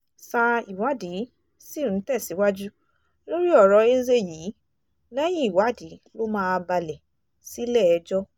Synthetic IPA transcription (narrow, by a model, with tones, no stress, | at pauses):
sa˧i˨wa˨˦di˨˦ | si˦˨n̩˨˦tɛ˦˨si˨˦wa˦d͡ʒu˦ | lo˦ɾi˦ɔ˦˨ɾɔ˨˧e˦ze˦jiː˨˦ | lɛ˦j̃ĩ˦i˦˨wa˨˦di˨˦lo˦mãː˦˧ba˧lɛ˨ | si˨˦lɛ˦˨ɛ˧d͡ʒɔ˦